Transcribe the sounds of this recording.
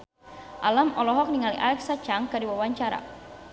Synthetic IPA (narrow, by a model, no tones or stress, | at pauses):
ʔalamɔlɔɦɔk̚niŋaliʔa̰lɛk̚sat͡ʃaŋkadiwawaɲt͡ʃaɾa̰